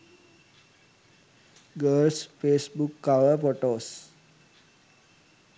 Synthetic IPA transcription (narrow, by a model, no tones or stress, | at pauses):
ɡəlsfesbukːaʋəɾpɔʈos